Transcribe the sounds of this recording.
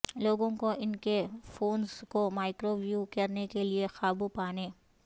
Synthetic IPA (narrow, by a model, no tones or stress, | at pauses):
loːɡõkoʔɪnkefoːnzkomaːɪkɾoʋjukɐɾnekeliexaːbupaːnẽː